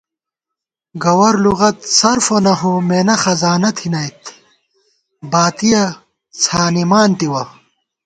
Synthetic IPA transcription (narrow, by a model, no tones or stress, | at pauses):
ɡɐwɐɾluɣɐt̪sɐɾfonɐɦomeːnɐxɐzaːnɐt̪ʰinɐjt̪ | baːt̪ijɐ | t͡sʰaːnimaːnt̪iwɐ